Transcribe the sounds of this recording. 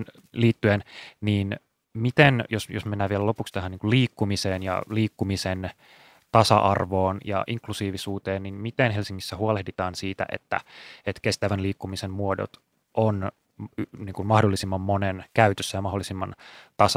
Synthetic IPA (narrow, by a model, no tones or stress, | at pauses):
n | liːt̪ːyenniːn | mit̪enjosjosmenːæːʋielælopukst̪æhæniːŋkuliːkːumiseːnjɑ̰liːkːumisen | t̪ɑsɑ̰ʔɑrʋoːnjɑ̰ʔiŋklusiːʋisuːt̪eːnninmit̪enɦelsiŋːisːæhuolehdit̪ɑːnsiːt̪æ̰ʔḛt̪ːæ̰et̪kest̪æʋænliːkːumisemmuodo̰t̪ | ʔon | niːŋkummɑhdolːisimːɑmmonenkæyt̪øsːæjɑmɑɦolːisimːɑnt̪ɑsɑ